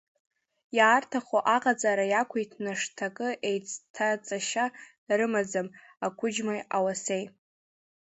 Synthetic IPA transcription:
jaːrtʰaχoʔaqʼad͡zʼaːɾajakʷʰejtʰnaʂtʰakʼɨʔejt͡sʰʼtʰat͡sʼaʃa | rɨmad͡zam | akʷʰʊd͡ʒmajawase̞j

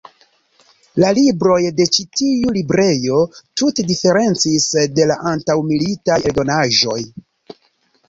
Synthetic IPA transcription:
lalibɾo̞jde̞t͡ʃitiulibɾe̞jo̞tute̞dife̞ɾe̞nt͡sisde̞laʔantawmilitajeɾdo̞naʒo̞̰j

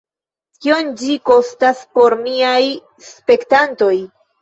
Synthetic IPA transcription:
kio̞nd͡ʒiko̞staspo̞ɾmiaj | spe̞ktanto̞j

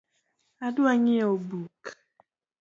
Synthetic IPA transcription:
adʊaɲɪobuk

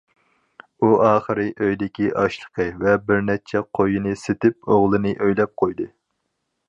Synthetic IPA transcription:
uʔɑːχəɾɨʔøjd̪ɪkʲiʔɑʃlˠə̥qʰəvɛbɪɾnɛt͡ʃʰɛqʰojinɨset̪ɪp̚oʁlˠɨnɨʔøjlɛp̚qʰojd̪ɨ

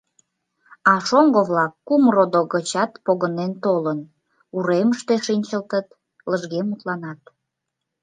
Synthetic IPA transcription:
ɑʃoŋɡoβlɑkːumrod̪oɣət͡ɕɑt̪poɣənent̪olən | uɾeməʃt̪eʃinʲt͡ɕəlt̪ət̪ | ləʒɣemut̪lɑnɑt̪̚

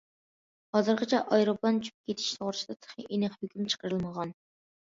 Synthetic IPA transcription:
hɑzɨɾqʰət͡ʃʰɛʔɑjɾoplˠɑnt͡ʃʰy̥p̚kʲʰet̪ʰɪ̥ʃsoʁʊɾt͡ʃʰd̪ɑt̪ʰə̥χḭʔenɨχhykʲymt͡ʃʰə̥qəɾɨlˠməʁɑn

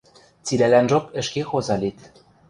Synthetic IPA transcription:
t͡silælænʒopɘ̆ʃkexozɑlit̪

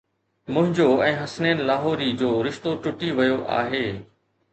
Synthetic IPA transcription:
mʊ̃ɦɪ̃ɲd͡ʑoɛ̃ːɦɐsneːnɪ̆laːɦɔːɾid͡ʑoːɾɪʃt̪oʈʊʈiʋɐjoʔa̰ːɦeː

